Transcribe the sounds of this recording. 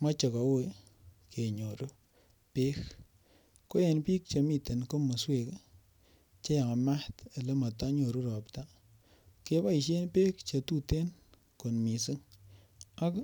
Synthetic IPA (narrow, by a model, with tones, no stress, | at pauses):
ma˦t͡ʃe˨ka˨we˦ | kʰe˨ɲo˨ɾu˦ | pe˦k | ko˦je˨npi˦k̚t͡ʃe˨mi˦te˨nko˦mo˨swe˨k | t͡ʃe˦ja˨ŋa˨ma˦ta˨le˦ma˨ta˦ɲo˨ɾu˦ɾɔ˨pta˦ | ke˦ba˦i˨ʃ̬e˦npeː˦kt͡ʃe˨tu˦te˦n | ko˨nmi˨sɨ˦ŋ | a˦k